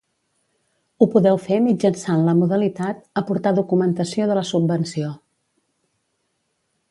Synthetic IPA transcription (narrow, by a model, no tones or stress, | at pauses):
upuðɛwfemid͡ʒənsanləmuðəlit̪at̪̚əpuɾt̪aðukumənt̪əsioðələsubbənsio